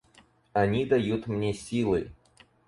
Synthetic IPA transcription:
ɐnʲid̪ɐjut̪mnʲesʲilˠɨ

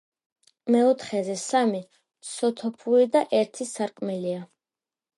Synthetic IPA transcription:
mɛɔt̪ʰχɛzɛsami | sɔt̪ʰɔpʰuɾid̪aʔɛɾt̪ʰisaɾkʼmɛlia

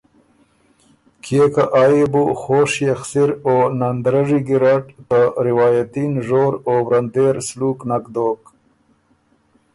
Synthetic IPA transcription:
kʰekaʔaːjibuxoːʂjaxsiɾoːnand̪ɾaʐiɡiɾaʈt̪aɾɪwɑːjat̪inʐoːɾowɾand̪eːɾsluːknakd̪oːk

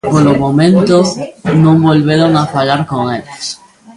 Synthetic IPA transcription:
polomomẽnt̪onõŋbolβeɾoŋafaʎaɾkoŋeʎes

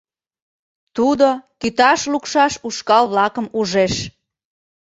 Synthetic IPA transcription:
t̪ud̪okyt̪ɑʃlukʃɑʃuʃkɑlβlɑkəmuʒeʃ

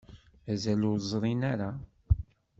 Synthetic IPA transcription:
æzælʊɾzˤɾˤinaɾa

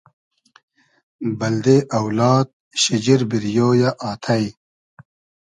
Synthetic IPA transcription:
bɐld̪eʔɐwlɑːd̪̚ | ɕid͡ʑiɾbiɾjoːjaʔaːt̪ʰɐj

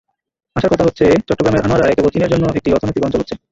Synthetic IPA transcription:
aʃaɾkɔt̪ʰaɦotːɕʰet͡ɕɔʈːoɡɾameɾʔanoaɾaekebot͡ɕ̪ineɾd͡ʑonːoek̚ʈiɔɾt̪ʰonojt̪ikɔnt͡ɕolɦotːɕʰe

